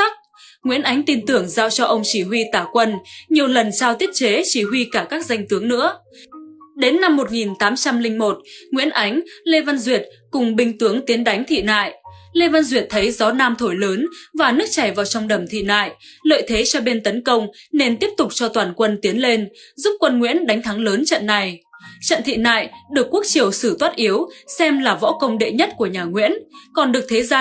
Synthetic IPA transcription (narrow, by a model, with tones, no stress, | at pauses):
k̚ | ŋwḭ˧˥ənʔa˨˦jŋ̟t̪i˧nt̪ɨ˨˩əŋza̰ː˧wt͡ɕɔ˧ʔə˧wŋ͡mt͡ɕi˧˩ɦwi˧t̪aː˧˩kwə˧nɲi˨˩əwlə˨˩nt͡ɕaː˧wt̪i˦˥ət̚t͡ɕe˨˦t͡ɕi˧˩ɦwi˧kaː˧˩kaː˦˥k̚za˧jŋ̟t̪ɨ˨˦əŋnɨ̰˧˥ə | ɗe˨˦nːa˧mːo˨˩t̚ŋi˨˩nt̪aː˨˦mt͡ɕa˧mlï˧ŋ̟mo˨˩t̚ŋwḭ˧˥ənʔa˨˦jŋ̟le˧va˧nzwi˨˩ət̚ | kʊ˨˩ŋ͡mɓï˧ŋ̟t̪ɨ˨˦əŋt̪i˨˦ənɗa˨˦jŋ̟t̪ʰḭ˧˨na̰ː˧˨jle˧va˧nzwi˨˩ət̚t̪ʰə˨˦jzɔ˨˦naː˧mt̪ʰo˧˩jləː˨˦nvaː˨˩nɨ˦˥ək̚t͡ɕa˧˩jvaː˨˩wt͡ɕɔ˧wŋ͡mɗə˧˩mt̪ʰḭ˧˨na̰ː˧˨jlə̰ː˧˨jt̪ʰe˨˦t͡ɕɔ˧ɓe˧nt̪ə˨˦nkə˧wŋ͡mne˧nt̪i˦˥əp̚t̪ʊ˨˩k͡p̚t͡ɕɔ˧t̪waː˧˩nkwə˧nt̪i˨˦ənle˧nzu˦˥p̚kwə˧nŋwḭ˧˥ənɗa˨˦jŋ̟t̪ʰa˨˦ŋləː˨˦nt͡ɕə̰˧˨nːa˨˩jt͡ɕə̰˧˨nt̪ʰḭ˧˨na̰ː˧˨jɗɨ˨˩əkːu˦˥ək̚t͡ɕi˨˩əwsɨ˧˩t̪waː˦˥t̚ʔi˨˦əwsɛ˧mlaː˨˩vɔ̰˧˥kə˧wŋ͡mɗḛ˧˨ɲə˦˥t̚ku˧˩əɲaː˨˩ŋwḭ˧˥ənkɔ˨˩nɗɨ˨˩ək̚t̪ʰe˨˦zaː˧